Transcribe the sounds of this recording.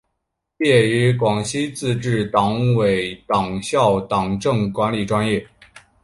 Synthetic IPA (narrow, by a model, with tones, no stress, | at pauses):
jɛ˥˩y˧˥kwɑ˨˩ŋɕi˥t͡sɹ̩˥˧ʈ͡ʂɻ̩˥˩t̪ɑ˧˥ŋwe˨˩ɪt̪ɑ˨˩ŋɕjɑ˥˩ʊt̪ɑ˨˩ŋʈ͡ʂɤ˥˩ŋkwa˧˥nli˨˩ʈ͡ʂwa˥njɛ˥˩